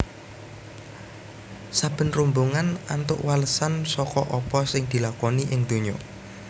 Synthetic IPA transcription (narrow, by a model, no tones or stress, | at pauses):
sab̥ə̤nrumbuŋanant̪ʊ̰ʔwaləsansɔkɔʔɔpɔsɪŋd̪̥i̤lakɔniʔɪŋd̪̥o̤ɲɔ